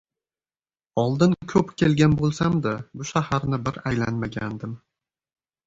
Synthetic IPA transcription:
ɒlˠd̪ɪnkʲʰɵpkʲʰelɡʲanbolˠsamd̪abʊʃahaɾnɪbɪɾajla̰nmaɡʲand̪ɪm

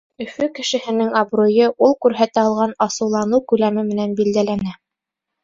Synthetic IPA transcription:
ɵ̆fɵkɘ̆ʃɘ̆hɘ̆nɘŋɑbrojɤʔulˠkʉɾɦæt̪æɑlˠʁɑnɑsɤ̆wlˠɑnɤkʉlæmɘmɘ̆nænbild̪ælænæ

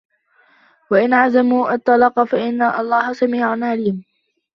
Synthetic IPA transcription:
waʔɪnʕazamuːʔɑt̪ˤːɑlɑːqɑfaʔɪnːaʔɑlˤːɑːhsamiːʕanʕaliːm

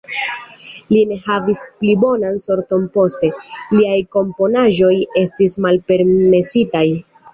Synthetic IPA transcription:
line̞havisplibo̞nanso̞ɾto̞npo̞ste̞liajko̞mpo̞naʒo̞je̞stismalpe̞ɾme̞sitaj

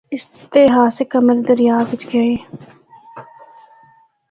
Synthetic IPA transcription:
ɪst̪eɦaːsekəməɾd̪əɾjaːʋɪt͡ʃɡɐeː

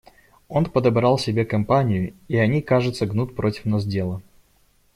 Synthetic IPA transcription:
o̞npəd̪ɐbɾalˠsʲɪbʲe̞kɐmpanʲɪjʊiɐnʲikaʐɨt̪səɡnut̪̚ʲpɾo̞tʲɪ̥fmnɐz̬ʲdʲe̞lˠə

